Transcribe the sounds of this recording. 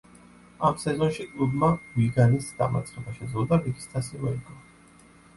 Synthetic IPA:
amsɛzɔnʃikʼlˠubmaviɡanisd̪a̰ma̰t̪sʼɾɛbaʃɛd̪zlˠɔd̪avik̪ʰi̥st̪ʰasimɔiɡʼɔ

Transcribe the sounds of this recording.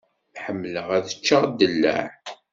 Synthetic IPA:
ħəmːləʁæðə̥t͡ʃːəʁd̪ːəlːæ̰ʕ

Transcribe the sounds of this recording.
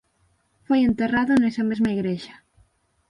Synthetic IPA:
fojent̪eraðʊnesamezmaiɣɾeʃɐ̥

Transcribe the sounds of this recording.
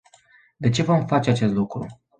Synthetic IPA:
d̪e̞t͡ʃe̞vo̞mfat͡ʃe̞at͡ʃe̞st̪lukɾu

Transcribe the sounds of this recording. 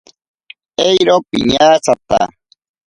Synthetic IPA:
ejɾopiɲaːsat̪a̰

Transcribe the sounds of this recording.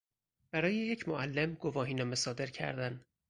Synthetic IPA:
b̥æɾɒːjejecʰmoʔælːemɡovɒːɦiːnɒːmesɒːd̪e̞ɾcʰæ̰ɾd̪æn

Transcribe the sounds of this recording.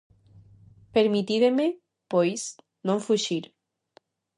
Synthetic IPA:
peɾmit̪iðeme | pojs | nõɱfuʃiɾ

